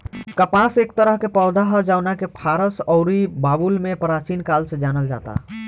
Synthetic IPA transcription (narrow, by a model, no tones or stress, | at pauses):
kəpasek̚t̪əɾəɦkepɔʊd̪aɦəd͡ʒanakepʰaɾəsɔʊɾibabulmepəɾat͡ʃinkalsẽd͡ʒanəld͡ʒa̰t̪a̰